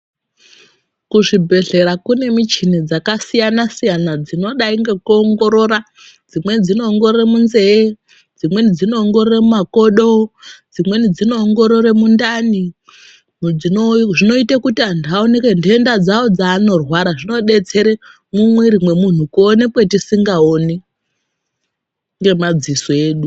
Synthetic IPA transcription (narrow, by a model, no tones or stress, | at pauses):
kuʐibʱe̞ɮe̞ɾakune̞mit͡ʃined͡zakasijanasijanad͡zino̞ɗaiŋɡe̞kuoŋɡo̞ɾo̞ɾa | d͡zimwe̞d͡zino̞ːŋɡo̞reremunze̞e | d͡zimwe̞nid͡zino̞ːŋɡororemumako̞ɗo̞d͡zimwe̞nid͡zino̞ːŋɡo̞ɾo̞ɾemundani | ioʐino̞itakutiandiaonekendiendad͡zaod͡zaːno̞rwaɾaʐino̞ɗe̞t͡se̞ɾe | mumweɾimwe̞mun̤ukuonekwetisiŋɡaone | ŋɡe̞mad͡zisoe̞ːɗu